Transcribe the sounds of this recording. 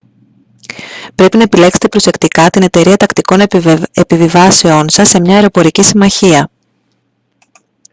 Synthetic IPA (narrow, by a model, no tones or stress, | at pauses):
pɾe̞pinɐepile̞kse̞̥t̪epɾo̞se̞kt̪ikɐt̪ine̞t̪e̞ɾiɐt̪ɐkt̪iko̞nepivivɐse̞o̞nsɐsːe̞mɲɐeɾo̞po̞ɾicisimɐçiɐ